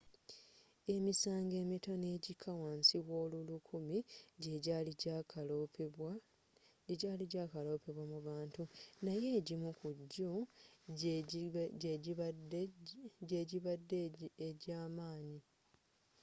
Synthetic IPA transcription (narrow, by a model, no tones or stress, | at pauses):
e̞misaːŋɡe̞ːmitone̞ːɟikʰːawaːnsiwo̞ːlulukʰumiɟeɟlil | ɟaliɟaːkalo̞ːpe̞βwamuβaːntunaje̞ːɟimukuɟːo | ɟeɟiβadːeɟaːmaːɲi